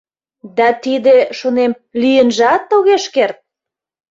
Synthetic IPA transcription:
d̪ɑt̪id̪eʃonem | lyjənʒɑt̪ːoɣeʃkert̪̚

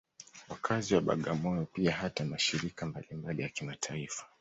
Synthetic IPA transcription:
wakʰaziwaɓa̰ɠamɔjɔpiaɦatamaʃiɾikambalimbalijakimatʰaifḁ

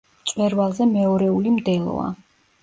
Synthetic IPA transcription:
t̪sʼwɛɾvalˠzɛmɛɔɾɛulimd̪ɛlˠɔ̰a̰

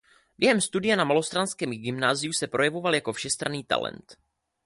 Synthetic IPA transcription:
bjɛɦɛmst̪udɪjɛnamalo̞st̪ɾanskɛːmɡɪmnaːzɪjusɛpɾo̞jɛvo̞valjako̞fʃɛst̪ɾaniːt̪a̰lɛ̰nt̪

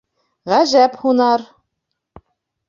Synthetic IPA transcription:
ʁæʒæphunɑɾ

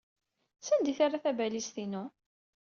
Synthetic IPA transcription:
sænd̪iθarˤaθæbælist̪inʊ

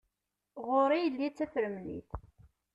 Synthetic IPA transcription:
ʁʊɾijəlːit͡sːæθɾəmnḭθ

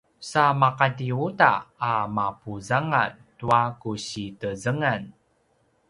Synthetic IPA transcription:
samaqatiuta̰ːmapuzaŋa̰ntuakuɕitəzəŋan

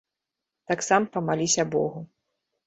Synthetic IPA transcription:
t̪aksampɐmalʲisʲɐbɔ̰ɣu

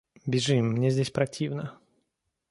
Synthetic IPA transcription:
bʲɪʐɨmːnʲezʲdʲesʲpɾɐtʲʰivnə

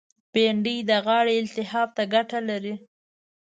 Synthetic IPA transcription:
peɳɖijd̪əɣɑɽeɪlt̪ɪhɑb̚t̪aɡaʈalaɾi

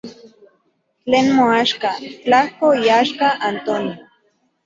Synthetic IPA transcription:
t͡ɬeːnmoaʃkat͡ɬahkoiaʃkaʔant̪oni

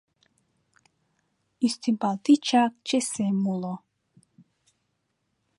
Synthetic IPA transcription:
ist̪ʰimpalt̪it͡ʃʰak̚t͡ʃɛsɛmulɔ

